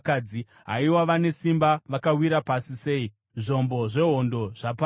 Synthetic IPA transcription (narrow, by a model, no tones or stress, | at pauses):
kad͡zi | ɦa̰iwaʋane̞simbaʋakawiɾapasise̞ːi | ʐo̞mbo̞ʐe̞ɦo̞ndo̞ʐ̥apa